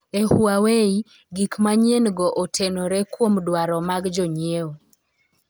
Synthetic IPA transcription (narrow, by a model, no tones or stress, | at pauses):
ehuawei | ɡikmaɲenɡɔʔotʰenoɾɛkwomdwaɾɔmaɡd͡ʒɔɲeo